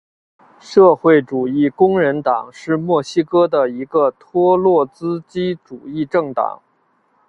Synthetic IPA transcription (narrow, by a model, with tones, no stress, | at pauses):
ʂɤ˥˧xwe˥˩ɪʈ͡ʂu˨˩i˥˩kʊ˥ŋɻə˧˥nt̪ɑ˨˩ŋʂɻ̩˥˧mwɔ˥˩ɕi˥kɤ˥d̪ə˨i˧˥ɡə˧t̪ʰwɔ˥lwɔ˥˩t͡sɹ̩˥t͡ɕi˥ʈ͡ʂu˨˩i˥˧ʈ͡ʂɤ˥˩ŋt̪ɑ̰˨˩˦ŋ